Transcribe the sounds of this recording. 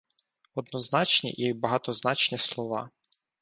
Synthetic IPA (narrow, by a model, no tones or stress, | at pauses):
ɔd̪nɔznɑt͡ʃnʲḭʔibɐɦɑt̪ɔznɑt͡ʃnʲislˠɔʋɑ̰